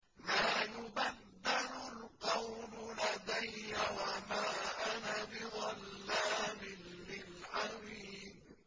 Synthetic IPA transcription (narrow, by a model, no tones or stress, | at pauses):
maːjʊbad̪ːɪɾʊlqɑwmʊlad̪ajːawamaːʔanabɪd̪ˤɑlːaːmɪnːɪlʕaɾiːd